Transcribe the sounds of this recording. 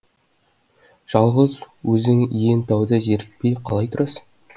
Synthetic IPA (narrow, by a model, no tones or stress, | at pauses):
ʒ̥ɑlˠʁəz | wɵzɪŋje̞nt̪ʰɑwd̪əʒeɾɪk̚pejqʰɑlˠɑjt̪ʰʊɾɑsə